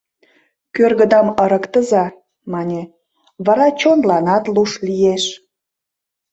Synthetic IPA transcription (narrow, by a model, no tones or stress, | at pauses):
kørɣəd̪ɑmə̆ɾəkt̪əzɑ | mɑnʲe | βɑɾɑt͡ɕonlɑnɑt̪luʃlijeʃ